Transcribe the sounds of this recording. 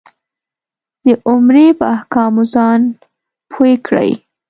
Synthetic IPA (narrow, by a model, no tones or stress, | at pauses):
d̪əʔʊmɾepəahkɑmozɑn | pʰoekʰɽə̰j